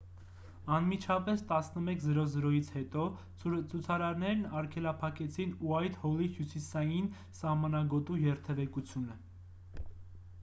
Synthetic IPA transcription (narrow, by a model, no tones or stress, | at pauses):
ɑnmit͡ʃʰɑpɛst̪ɑsnəmɛkʰzəɾɔzəɾɔjit͡sʰhɛt̪ɔ | t͡sʰut͡sʰɑɾɑɾnɛɾnɑɾkʰɛlɑpʰɑkɛt͡sʰinuɑjt̪hɔlihjusisɑjin | sɑhmɑnɑɡɔt̪ujɛɾt̪ʰɛvɛkut͡sʰjunə